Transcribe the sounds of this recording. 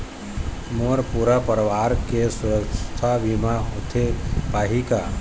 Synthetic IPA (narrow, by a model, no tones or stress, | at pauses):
moɾpuɾapəɾʋaːɾkesʊɾəkt̪ʰaʋimaʊt̪ʰepaːɦika